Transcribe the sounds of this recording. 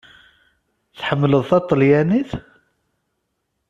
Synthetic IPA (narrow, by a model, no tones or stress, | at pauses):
θħəmːləðˤθɑt̪ˤːəljæniθ